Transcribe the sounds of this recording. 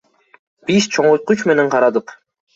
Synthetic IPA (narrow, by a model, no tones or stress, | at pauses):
b̥ist͡ʃʰoɴojt̪̚qut͡ʃme̞ne̞ɴqʰɑɾɑd̪ɯq